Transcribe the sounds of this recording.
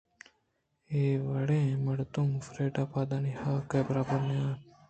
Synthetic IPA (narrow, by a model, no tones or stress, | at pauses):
eːʋəɽẽːməɽt̪umfɾeːʈaːpaːd̪anihaːkeːbɾaːbənjaː